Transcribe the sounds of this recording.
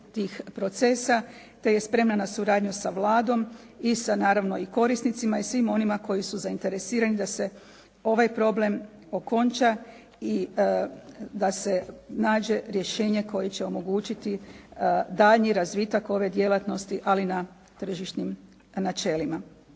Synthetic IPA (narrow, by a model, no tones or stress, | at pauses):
t̪iːxpɾo̞t̪se̞ːsa | t̪e̞je̞spɾe̞mnanasuɾaːd̪ɲusaʋlˠaːd̪o̞m | isanaːɾaʋno̞iko̞ɾist̪nit̪simaisʋimo̞nimako̞jisuzaint̪e̞ɾe̞siːɾanid̪ase̞ | o̞ʋajpɾo̞ble̞m | o̞ko̞nt͡ʃa | i | d̪ase̞naːd͡ʒe̞ɾje̞ʃe̞ːɲe̞ko̞jet͡ɕe̞o̞mo̞ɡuːt͡ʃit̪i | d̪aːʎniɾazʋit̪ako̞ʋe̞d̪je̞lat̪no̞st̪iʔalina | t̪r̩ʒiʃt̪nim | nat͡ʃe̞ːlima